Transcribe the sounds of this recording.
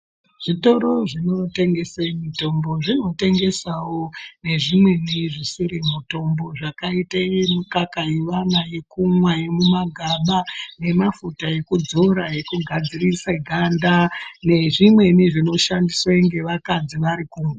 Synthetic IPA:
ʐ̥ito̞ɾo̞ʐino̞te̞ŋɡe̞semito̞mbo̞ʐino̞te̞ŋɡe̞sawone̞ʐimwe̞niʐisiɾimuto̞mbo̞ʐakaitaimukakajeʋanajekumwajemumaɡʱaɓane̞mafutaje̞kud͡zoɾaje̞kuɡʱad͡zirisaɡʱandane̞ʐimwe̞niʐino̞ʃandiswaiŋɡe̞ʋakad͡ziʋaɾikuːmwa

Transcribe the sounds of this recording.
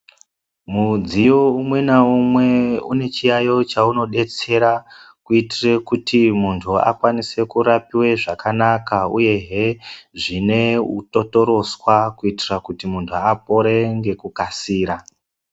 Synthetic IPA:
mud͡zijoumwe̞naumwe̞ṵne̞t͡ʃijajo̞t͡ʃauno̞ɗe̞t͡se̞ɾakuitire̞kutʰimuntʰua̰kwanise̞kuɾapiwe̞ʐakanakauje̞ɦeʐine̞ṵto̞to̞ɾo̞swakuitirakutimuntʰuap̚o̞ɾe̞ŋɡe̞kukasiːɾa

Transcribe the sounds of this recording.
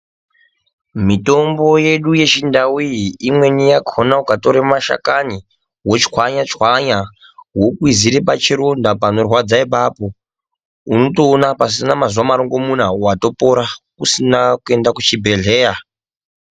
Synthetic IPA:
mito̞mbo̞je̞ɗuje̞t͡ʃindawiiimwe̞nijakʰonaukato̞ɾemaʃa̰kani | wot͡ʃkwaɲat͡ʃwaɲa | wokuwiziɾepat͡ʃiɾondapano̞rwad͡zaipapo̞ | uno̞toːnapas̬inamazwamaɾoŋɡo̞munawato̞po̞ɾakusinakue̞ndakut͡ʃibʱe̞ɮe̞ːja

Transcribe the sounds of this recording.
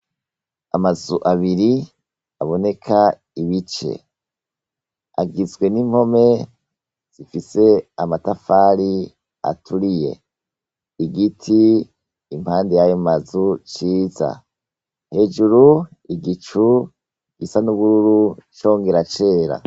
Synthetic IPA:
a̰mazuʔaβiɾi | aβo̞ne̞kʰa | iβit͡ʃe̞̰ | a̰ɡizɡwe̞nim̥ho̞me̞ | z̥ifise̞amatafaːɾi | a̰tʰuɾije̞̰ | iɡitʰiː | m̥haːndijajomazut͡ʃiːza̰ | he̞ʒuɾuiɡit͡ʃu | iɡ̥isanuβuɾuɾut͡ʃo̞ːŋɡeɾat͡ʃe̞ːɾa̰

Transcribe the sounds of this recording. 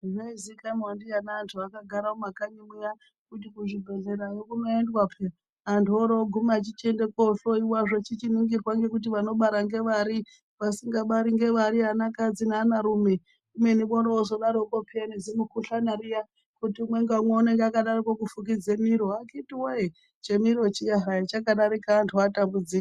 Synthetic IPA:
ʐaizikamwandijanaːntʰuakaɡʱaɾaomakaɲimwija | kut̬ikuʐibʱe̞ɮe̞ɾarokuno̞endwapʰe | antʰoɾoɡʱumiat͡ʃit͡ʃe̞ndekoɬoiwaʐot͡ʃit͡ʃiniŋɡirwaŋɡe̞kut̬iʋano̞ɓaɾaŋɡe̞ʋaɾi | ʋasiŋɡaɓaɾiŋɡe̞ʋaɾiɦanakad͡zinaːnaɾume | umweniɓonoozo̞ɗaɾokopʰianezimukuɬanaɾija | kutimwe̞ŋɡamweune̞ŋɡeakaɗarikokufuk̬id͡zemiɾoakitiwoe | t͡ʃemiɾo̞t͡ʃiaɦait͡ʃakaɗaɾikaːntʰuatambud͡zik

